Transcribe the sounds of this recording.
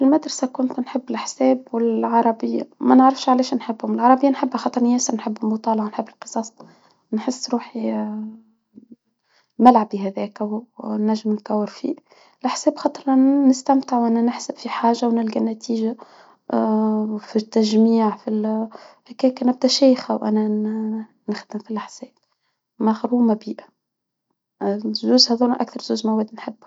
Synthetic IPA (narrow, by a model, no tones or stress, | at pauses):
ɪlmad̪ɾˤɑsakʊnt̪nħɪbːɪlʔaħsɛːbwɪlʕɑɾˤɑbɪjːa̰mænəʕɾɑfʃʕalɛːʃnħɪbːhʊmɪlʕɑɾˤɑbɪjːanħɪbːxɑt̪ˤɑɾˤnjɛːsəɾnħɪbːlmʊt̪ˤɑːlɑʕnħɪbːɪlqɨ̥sˤɑːsˤ | nħɪsːɾuːħi | mælʕabiɦæðɛːkæwnæʒːɪmnkæwːɪɾfḭː | ɪlʔaħsɛːbxɑt̪ˤɾˤːɪst̪æmt̪ɪʕwʔænænɪħsabfiħaːʒawnɪlɡænːæt̪iːʒa | fit̪ːæʒmiːʕfilhækɛːkænæb̚d̪æʃɛːjxæwʔæ̰næ | nɪxd̪ɪmfilʔaħsɛːb̥̚ | mæxɾhuːmabiːʔa | zuːzhɑðˤuɾnʔæ̰kθɑɾˤzuːzmæwɛːd̪nħɪbː